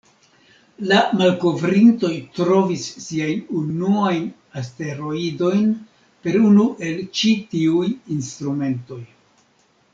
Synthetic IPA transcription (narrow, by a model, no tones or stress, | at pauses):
lamalko̞vɾinto̞jtɾo̞visːiajnunuajn | aste̞ɾo̞ido̞jn | pe̞ɾunuʔe̞lt͡ʃitiujinst̪ɾume̞nto̞j